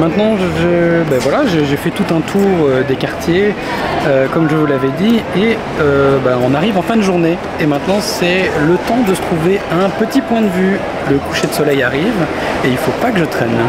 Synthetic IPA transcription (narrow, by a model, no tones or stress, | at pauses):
mɛ̃t̪nɑ̃ʒəbavwalaʒeʒefɛt̪ut̪ɛ̃t̪ʰuʁød̪ekaʁt̪je | økɔmʒəvulavɛd̪ie | øbaɔ̃naʁivɑ̃fɛ̃d̪əʒuʁne | emɛ̃t̪nɑ̃sɛlət̪ɑ̃d̪əsə̥t̪χuveɛ̃pət̪ipwɛ̃d̪əvy | ləku̥ʃed̪əsɔlɛjaʁiv | eilfopakəʒət̪χɛn